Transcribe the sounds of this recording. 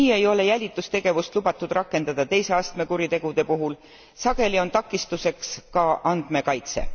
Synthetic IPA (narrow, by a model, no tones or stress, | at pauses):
iːe̞jo̞le̞jælʲit̪ːˑust̪e̞ɡ̥e̞vust̪lubɑt̪ːˑud̪̥rɑkːe̞nd̪̥ɑd̪̥ɑt̪e̞jse̞ɑst̪me̞kuɾit̪e̞ɡ̥ud̪̥e̞puɦul | sɑɡ̥e̞lʲio̞nt̪ɑkːˑist̪use̞kskɑʔɑnd̪me̞kɑjt̪se̞̰